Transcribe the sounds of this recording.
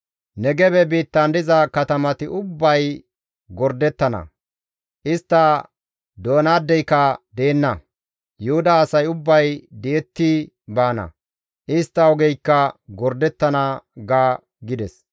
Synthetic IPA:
nɛɡɛbɛbiːt̪ːɐnd̪ɪzɐkɐt̪ɐmɐt̪ɪʔʊbːɐj | ɡɔɾd̪ɛt̪ːɐnɐ̰ | ʔɪst̪ːɐ | d̪o̞ːnaːd̪ːɛjkːɐd̪e̞ːnːɐ | jʊhʊd̪ɐːsɐjʊbːɐjd̪ɛjɛt̪ːi | baːnɐ̰ | ʔɪst̪ːɐɔɡɛjkːɐɡɔɾd̪ɛt̪ːɐnɐɡaː | ɡɪd̪ɛs

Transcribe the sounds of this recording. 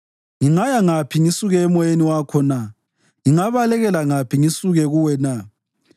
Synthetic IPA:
ŋiŋajaŋapʰiŋisuɣɛːmɔjeniwakʰɔna | ŋiŋaβalɛɣɛlaŋapʰiŋisuɣɛɣuwɛna

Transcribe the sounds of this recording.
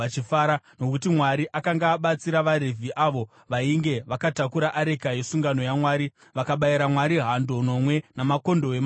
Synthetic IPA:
t͡ʃifaːɾano̞kut̬imwaɾiʔakaŋɡaːɓat͡siɾaʋaɾevʱiʔaʋo̞ | ʋaiŋɡe̞ʋakatakuɾaʔaɾe̞kaje̞suŋɡano̞jamwaːɾi | ʋakaɓajiɾamwaɾiɦando̞no̞mwe̞namako̞ndo̞em

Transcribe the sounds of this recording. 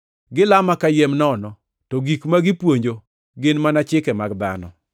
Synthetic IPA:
ɡɪlamakajemnɔnɔ | tɔɡikmaɡɪpwoɲd͡ʒo | ɡɪnmanat͡ʃɪkɛmard̪a̰nɔ̰

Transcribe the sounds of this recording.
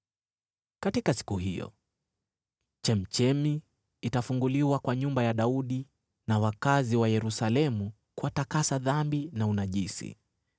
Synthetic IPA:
katikasi̥kuhijɔ̰ | t͡ʃɛm̩t͡ʃɛmiː | tafuŋɡuliwakwaɲumbajaɗauɗi | nawakaziwajɛɾusalɛmu | kwatakasaðambinaunaʄisḭ

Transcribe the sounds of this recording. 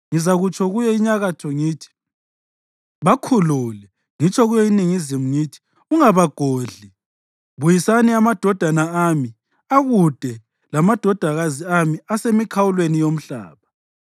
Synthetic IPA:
ŋizaɣut͡ʃʰʼɔɣujɛiɲaɣatʰɔŋiːtʰi̥ | βakʰuluːlɛ | ŋit͡ʃʼʰɔɣujɔiniŋizimuŋiːtʰi̥ | uŋaβaɡ̥ʱoːɮi | βujisaniamad̥ʱɔd̥ʱanaami | aɣud̥ʱɛ | lamad̥ʱɔd̥ʱaɣaziamiasemikʰawulwenijom̩ɬa̰ːβa

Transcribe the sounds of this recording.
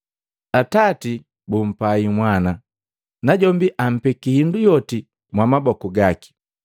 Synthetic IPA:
atati | bum̩paimwana | naɟɔmbiʔam̩pɛkihindujɔti | mwamabɔkuɡaki̥

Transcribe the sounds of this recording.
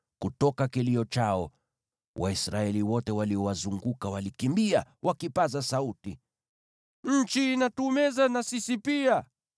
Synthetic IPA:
kutɔkakiliɔt͡ʃaɔ | wʔa̰isɾaɛliwɔtɛwaliɔwazuŋɡukawalikimbiawʔakipazasauti | ɲ̩t͡ʃiːnatumɛzanasisipia

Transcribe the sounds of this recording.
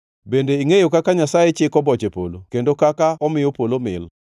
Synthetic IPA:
bendeiŋejokakaɲasajet͡ʃɪkɔbɔt͡ʃepolo̰kendokakaɔmɪjopolomɪ̰l

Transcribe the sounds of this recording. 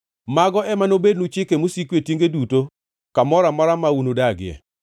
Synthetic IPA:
maɡɔʔɛmanobed̚nut͡ʃɪkemosikwetjeŋɡeduto | kamɔɾamaɾamaunodaɡɪjɛ̰

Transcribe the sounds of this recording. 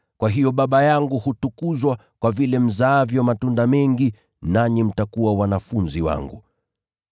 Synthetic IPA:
kwaɦijɔɓaɓajaŋɡuhutukuzwa | kwavilɛm̩zaːvjɔmatundamɛŋɡi | naɲim̩takuwawanafunziwa̰ŋɡṵ

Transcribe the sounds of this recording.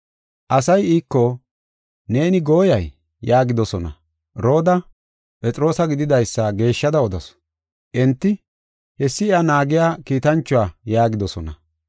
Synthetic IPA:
ʔɐsɐjiːkːɔ | ne̞ːnɪɡo̞ːjɐjː | aːɡɪd̪ɔsɔnɐ̰ | ɾo̞ːd̪ɐ | pʼɛt͡sʼɪɾo̞ːsɐɡɪd̪ɪd̪ɐjsːɐɡe̞ːʃːɐd̪ɐɔd̪ɐs | ʔɛnt̪ːɪ | hɛsːɪɪɐnaːɡɪjaːkiːt̪ɐnt͡ʃːʊwaːjaːɡɪd̪ɔsɔnɐ̰

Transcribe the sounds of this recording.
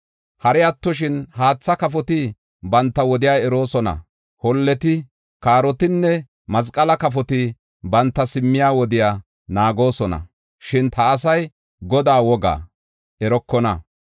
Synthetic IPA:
hɐɾɛɐt̪ːɔʃ̬ɪnɦaːt͡sːɐkɐf̬ɔt̪ɪ | bɐnt̪ːɐwɔd̪ɪjaːɛɾo̞ːsɔnɐ̰ | hɔlːɛt̪ɪ | kaːɾɔt̪ɪnːɛ | mɐs̬kʼɐlɐkɐfɔt̪ɪ | bɐnt̪ːɐsɪmːɪjaːwɔd̪ɪjaː | naːɡo̞ːsɔnɐ̰ | ʃɪnt̪ɐːsɐj | ɡɔd̪aːwɔɡa̰ː | ʔɛɾɔkːɔnɐ

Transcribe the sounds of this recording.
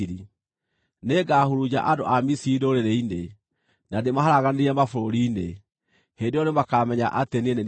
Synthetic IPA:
ɾi | neɡaːhuɾud͡ʑa̰ʔadoʔamisidooɾeɾeine | nademaɦaɾaɣaneɾiɛmafoɾoɾiːne | hendeɔɾemakaːmɛɲa̰ʔatenienen

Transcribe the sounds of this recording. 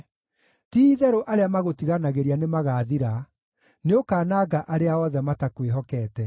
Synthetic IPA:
tiðɛɾoʔaɾeamaɣotiɣanaɣeɾianemaɣaːðiɾa | neokaːnaːɡaʔaɾeaɔðɛmatakweɦɔkɛːtɛ

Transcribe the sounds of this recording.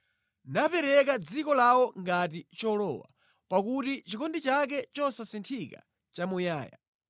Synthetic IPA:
napɛɾɛk̬ad͡zikɔlawɔŋɡatit͡ʃɔlɔ̰wa̰ | pakutit͡ʃikɔndit͡ʃak̬ɛt͡ʃɔsasintʰika̰ | t͡ʃamujaːja̰

